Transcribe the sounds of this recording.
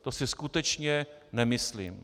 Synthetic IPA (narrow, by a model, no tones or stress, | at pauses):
t̪osɪskut̪ɛt͡ʃɲɛnɛmɪslḭːm